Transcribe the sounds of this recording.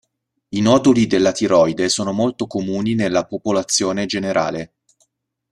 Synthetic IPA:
inɔːd̪olid̪elːat̪iɾɔjd̪esoːnomolt̪okomuːninelːapopolat̪sːjoːned͡ʒeneɾʔa̰ːle

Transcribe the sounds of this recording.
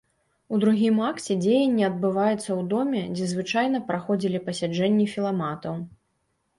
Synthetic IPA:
ud̪ɾuɣʲimaksʲɛd͡zʲejɐnʲːiɐd̪̚bɨvajɛt̪sːɐwd̪ɔmʲɛd͡zʲɛzvɨt͡ʂajn̪ɐpɾaxɔd͡zʲilʲipɐsʲad͡ʐɛnʲːifʲilˠamat̪ɐw

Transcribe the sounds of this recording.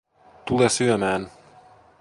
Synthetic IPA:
t̪ulɛsyɛmæːn

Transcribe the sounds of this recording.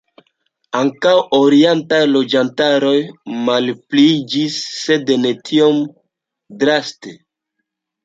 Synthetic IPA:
aŋkawoɾientajlo̞d͡ʒantaɾo̞jmalpliid͡ʒisːe̞dne̞tʰio̞m | dɾaste

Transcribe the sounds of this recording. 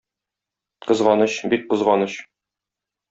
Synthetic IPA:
qɤ̆zʁɑnɤɕbit̪̚bɤ̆zʁɑnɤɕ

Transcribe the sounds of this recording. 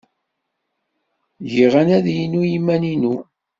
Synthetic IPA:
jiʁænæðjinujimːæninu

